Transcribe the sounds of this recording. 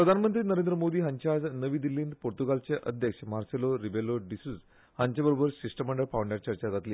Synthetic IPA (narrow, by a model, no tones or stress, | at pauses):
pɾəd̪ʱanmənt̪ɾiːnəɾend̪ɾəmod̪iːɦaɲt͡ɕad͡znəʋiːd̪ilːiːnd̪poɾt̪uɡalt͡seʔə̰d̪ʱjəkʂəmaɾseloɾibeloɖisuz | haɲt͡ɕabəɾobəɾsisʈəməɳɖəɾpaʋwɳɖjaʈt͡ɕəɾt͡ɕad͡zat̪liː